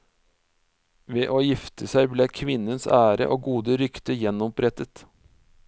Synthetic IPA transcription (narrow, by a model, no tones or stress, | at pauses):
ʋeːʔoːjɪft̪ʰəsæɪbleːkʰʋɪnənsæːɾə̰ʔoːɡuːd̪əɾʏkt̪əjɛnɔpʰɾɛt̪ət̪